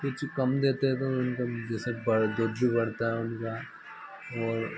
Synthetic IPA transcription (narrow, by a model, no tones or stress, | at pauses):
kʊt͡ʃʰkɐmd̪eːt̪eɦɛt̪oʊnkad͡ʒɛːsebɐɽd̪oːd̪bʱibɐɽ̤t̪aɦɛʊnka | ɔːɾ